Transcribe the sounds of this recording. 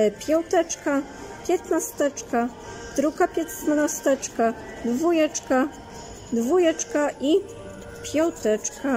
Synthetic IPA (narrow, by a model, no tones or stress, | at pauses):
pʲjɔwt̪ɛt͡ʂka | pʲjɛt̪nast̪ɛt͡ʂka | t̪ɾukapʲɛt̪snnast̪ɛt͡ʂka | d̪vujɛt͡ʂka | d̪vujɛt͡ʂkaʔi | pʲjɔwt̪ɛt͡ʂka